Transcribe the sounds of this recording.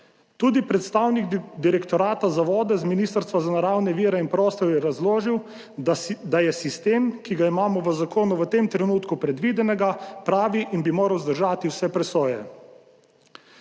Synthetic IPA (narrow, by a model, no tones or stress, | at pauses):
t̪uːd̪ipɾɛt̪st̪awnikd̪iɾɛkt̪ɔɾaːt̪azaʋɔːd̪ɛzminiːst̪əɾst̪ʋazanaɾawnɛʋiːɾɛinpɾɔːst̪ɔɾjɛɾazloːʒiw | d̪ajɛsist̪emkiɡaimaːmɔʋəzakoːnuʋət̪emt̪ɾɛnuːt̪kupɾɛd̪ʋiːd̪ɛnɛɡapɾaːʋiʔinbimoːɾɐwzd̪əɾʒaːt̪iwsɛpɾɛsoːjɛ